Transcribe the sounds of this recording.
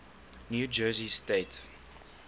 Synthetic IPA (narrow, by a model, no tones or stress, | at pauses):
njud͡ʒɜːzisteɪt